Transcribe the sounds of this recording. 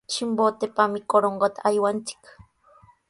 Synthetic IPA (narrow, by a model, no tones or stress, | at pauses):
t͡ʃimbot̪epamɪkoɾoɴɢot̪aʔajwant͡sɪ̥k